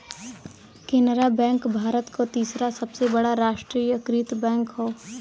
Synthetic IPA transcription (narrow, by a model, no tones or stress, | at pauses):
kɪnɾabɛ̃ːŋkbʱaːɾət̪kʰot̪iːsɾasɐbsebɐɽaɾaːʃʈɾiːjəkɾit̪bɛ̃ːŋkɦoː